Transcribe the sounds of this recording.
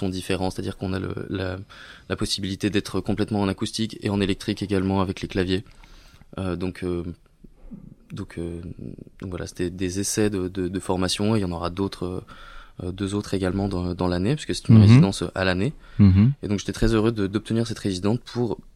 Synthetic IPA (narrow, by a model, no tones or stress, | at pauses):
sɔ̃d̪ifeʁɑ̃se̥t̪ad̪iʁkɔ̃nalə̰lalapɔsibilit̪ed̪ɛt̪χəkɔ̃plɛt̪mɑ̃ːnakust̪ikʲḛɑ̃nelɛk̚t̪χikeɡalmɑ̃avɛkleklavje | ød̪ɔ̃kʰø | d̪ɔ̃kʰød̪ɔ̃kvwalʔa̰se̥t̪ɛd̪ezesɛd̪əd̪əd̪əfɔʁmasjɔ̃ejɑ̃nɔʁad̪ot̪χø | d̪øzot̪χeɡalmɑ̃d̪ɑ̃d̪ɑ̃lanepɥiskəsɛ̥t̪ynʁezid̪ɑ̃søʔa̰lane | ed̪ɔ̃kʒet̪ɛt̪χɛzøʁød̪əd̪ɔp̚t̪əniʁsɛt̪ʁezid̪ɑ̃spʰuʁ